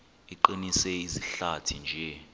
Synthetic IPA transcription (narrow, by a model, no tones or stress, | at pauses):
iǃinisɛiziɬatʰind͡ʒʱɛ